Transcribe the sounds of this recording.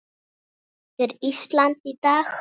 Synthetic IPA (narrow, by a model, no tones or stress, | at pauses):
t̪ɪɾist̪lant̪it̪aːx